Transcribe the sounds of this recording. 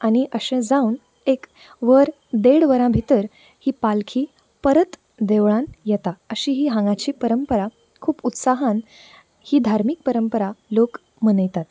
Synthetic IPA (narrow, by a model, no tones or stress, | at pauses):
añiʔəɕẽd͡zaun | ek | ʋəɾ | d̪eɽʋəɾãbʱit̪əɾ | hiːpalkʰiː | pəɾət̪ | d̪eʋɭãnjɛt̪aəɕiːɦiːɦãŋɡat͡ɕiːpəɾəmpəɾa | kʰuːput̪saɦan | hiːd̪ʱaɾmik̚pəɾəmpəɾalok | mənəjt̪at̪